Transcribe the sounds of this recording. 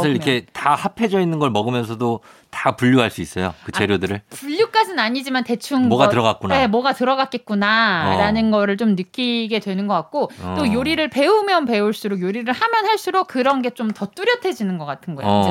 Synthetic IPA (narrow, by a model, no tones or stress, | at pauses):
iɾikʰetahapʰe̞d͡ʑʌinːɯnɡʌɭmʌɡɯmjʌnsʰʌdotapuʎːuɦaɭs͈uis͈ʌjokɯt͡ɕeɾjodɯɾɯɭpuʎːuk͈ad͡ʑinaɲid͡ʑimante̞t͡ɕʰunʌɡaɯɾʌɡak͈unae̞mwʌɡatɯɾʌɡak̚k͈et̚k͈unaɾanɯnɡʌɾɯɭt͡ɕomnɯk͈iɡe̞dwe̞nɯnɡʌk͈at̚k͈ot͈ojoɾiɾɯɭpe̞umjʌnpe̞uɭs͈uɾokjoɾiɾɯɭhamjʌnɦaɭs͈uɾok̚kɯɾʌnɡe̞t͡ɕ͈omtʌt͈uɾjʌtʰe̞d͡ʑinɯnɡʌk͈atʰɯnɡʌo